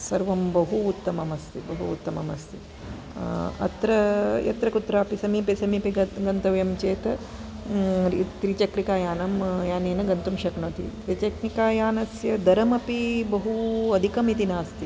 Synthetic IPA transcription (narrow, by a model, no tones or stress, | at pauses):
sɐɾʋɐmbɐɦuːt̪ːɐmɐmɐst̪ibɐɦṵːt̪ːɐmɐmɐst̪i | ɐ̰t̪ɾɐjɐ̰t̪ɾɐkut̪ɾaːpisɐmiːpisɐmiːpiɡɐɡɐnt̪ɐʋjɐmt͡ʃeːt̪ɐ | t̪ɾit͡ʃɐkɾikaːjaːnɐmjaːneːnɐɡɐnt̪umʃɐknoːt̪ḭt̪ɾit͡ʃɐknikaːjaːnɐsjɐd̪ɐɾɐmɐpibɐɦuɐd̪ʱikɐmit̪inaːst̪i